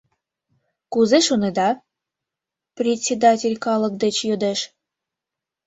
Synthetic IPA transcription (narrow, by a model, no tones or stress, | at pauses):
kuzeʃuned̪ɑ | prʲetʲsʲed̪ɑtʲelʲkɑlə̆k̚d̪et͡ɕjod̪eʃ